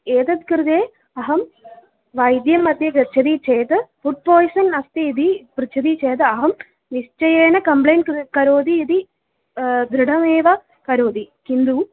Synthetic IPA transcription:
eːt̪ɐt̪kɾɨd̪eː | ɐɦɐm | ʋɐjd̪jɐmːɐd̪jɐɡɐt͡ʃʰɐd̪it͡ʃeːt̪ɨpuʈ̚poːjsɐnɐst̪iːd̪ipɾɨt͡ʃʰɐd̪it͡ʃeːt̪ɨɐɦɐm | ʋist͡ʃɐjeːnɐkɐmplejnkkɐɾoːd̪iːd̪i | d̪ɾɨɖɐmeːʋɐ | kɐɾoːd̪ikind̪uː

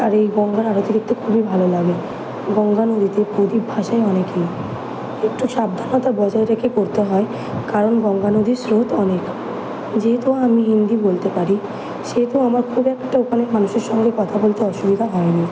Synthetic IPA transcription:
aɾejɡɔŋɡaɾaɾot̪iɾek̚ʈ̪ukʰubibʱalolaɡe | ɡɔŋɡanod̪ʱit̪epod̪ibʱaʃaeɔnekej | ekʈuʃab̚d̪ʱanɔt̪abɔd͡ʑaeɾekʰekoɾt̪eɦɔe | kaɾonɡɔŋɡanod̪ʱisɾot̪ɔnek | d͡ʑet̪oamiɦind̪ibolt̪epaɾi | ʃet̪oamaɾkʰubɛkʈaupaneɾmanuʃeɾʃɔŋɡɾekɔt̪ʰabolt̪eɔʃubid̪ʱaɦɔeni

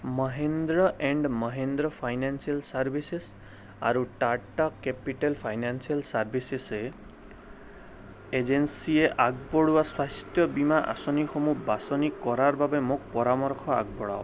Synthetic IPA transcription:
mʌɦend̪ɾɔʔɛɳɖmʌɦend̪ɾɔpʰajnansialsaɾbʱises | a̰ɾuʈaʈakepiʈelpʰajnansialsaɾbʱisese | ed͡ʒensieʔaɡbɔɽuwaswast̪jɔbimaʔa̰sɔnixɔmubasɔnikɔɾaɾbabemok̚pɔɾamɔɾkʰɔa̰ɡ̚bɔɽa̰w

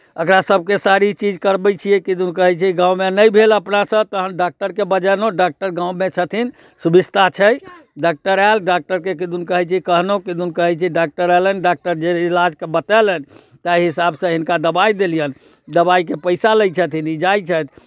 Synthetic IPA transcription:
əkɾasəb̚ʱkesaɾit͡ʃid͡ʒkəɾbət͡ʃʰijekid̪unkəɦɛt͡ʃʰiɡãũmenəjbʱeləpnasə̃t̪əɦəmɖak̚ʈəɾkebəd͡ʒənoɖak̚ʈəɾɡãũmet͡ʃʰət̪ʰin | subist̪ʰat͡ʃʰəjɖak̚ʈəɾalɖak̚ʈəɾkekid̪unkəɦɛt͡ʃʰiikəɦnokid̪unkəɦɛt͡ʃʰiɖak̚ʈəɾɛlənɖak̚ʈəɾd͡ʒeilad͡ʒkebət̪ɛlən | t̪aiɦisabsə̃ɦinkad̪əbaid̪elijən | d̪əbaikepəɪsaləjt͡ʃʰət̪ʰinid͡ʒajt͡ʃʰət̪ʰ

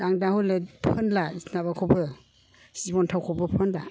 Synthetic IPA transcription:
aŋdahɔlepʰɯnlasnaβakʰɔbɯ | sibɔntʰawkʰɔbɯpʰɯnla

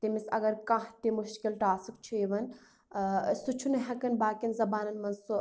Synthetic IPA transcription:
t̪emisɐɡɐɾkãɦt̪imuʃkilʈaːsikt͡ʃʰueʋɐn | sut͡ʃʰunɐɦɐkɐnbaːkinzɐbaːnɐnmɐnsu

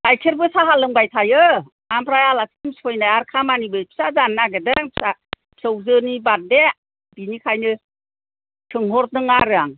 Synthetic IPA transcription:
ajkʰeɾbɯsaɦalɯŋbajtʰajɯ | ampʰɾajalasimsʰɔjnajaɾkʰamanibɯpʰi̥sazanːaɡɯdɯŋpʰi̥sḁ | sɯwzɯnibat̚de | b̥inikʰajnɯ | tʰɯŋɦɔɾ̚dɯŋaɾɯaŋ

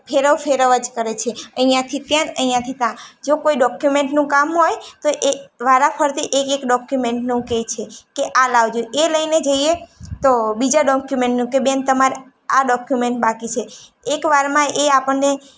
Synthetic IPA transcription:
pʰeɾəʋfʰeɾəʋəd͡ʒkəɾet͡ʃʰeəijãt̪ʰit̪jãnəijãt̪ʰit̪ãd͡ʒokoiɖɔkjumeɳʈnũkamɦojt̪oʔeʋaɾapʰəɾt̪iʔekekɖɔkjumeɳʈnũket͡ʃʰekeʔalaʋd͡ʒoeləjned͡ʒəiet̪obid͡ʒaɖɔkjumeɳʈnũkebent̪əmaɾe | aɖɔkjumeɳʈ̚bakit͡ʃʰeː | kʋaɾmãeapəɳːe

